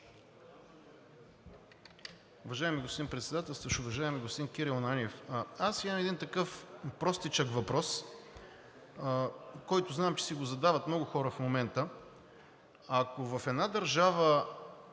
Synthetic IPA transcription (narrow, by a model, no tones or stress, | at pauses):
ʊvɐʒaɛmiɡospod̪inpɾɛt̪sɛd̪at̪ɛlˠst̪əʃʊvɐʒaɛmiɡospod̪inkiɾilˠnanʲiɛfasiməmɛd̪int̪ɐkɤfpɾɔst̪it͡ʃəkvɐpɾɔs | kɔjt̪ʊznaɛmt͡ʃɛ̥siɡozɐd̪avət̪mnɔɡʊxɔɾəfmomɛnt̪ə | akovɐfɛd̪nad̪əɾʒavə